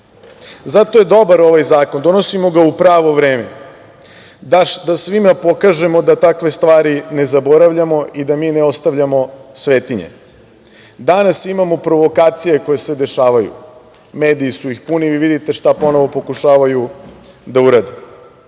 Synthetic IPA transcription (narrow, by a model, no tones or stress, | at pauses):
zat̪o̞je̞d̪o̞baɾo̞ʋajzaːko̞nd̪o̞no̞simo̞ɡaupɾaːʋo̞ʋɾeːme̞ | d̪aʃd̪asʋimapo̞kaʒe̞mo̞d̪at̪akʋe̞st̪ʋaːɾine̞zabo̞ɾaʋʎamo̞id̪amiːneo̞st̪aʋʎamo̞sʋeːt̪iɲḛ | d̪anasimamo̞pɾo̞ʋo̞kaːt̪sije̞ko̞jesed̪e̞ʃaːʋajṵ | me̞ːd̪iːsuixpuniʋiʋid̪it̪e̞ʃt̪apo̞no̞ʋo̞po̞kuʃaːʋaju | d̪auɾaːd̪e